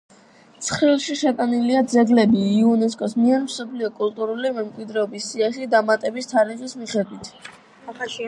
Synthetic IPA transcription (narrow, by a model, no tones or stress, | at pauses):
t̪sʰχɾilˠʃiʃɛkʼaniliad̪zɛɡlɛbiːɔnɛs̬kʼɔsmiɛɾmsɔpʰliɔkʼult̪ʼuɾulimɛmkʼwid̪ɾɛɔbisːiaχid̪amat̪ʼɛbist̪ʰaɾiχismiχɛd̪wit̪ʰ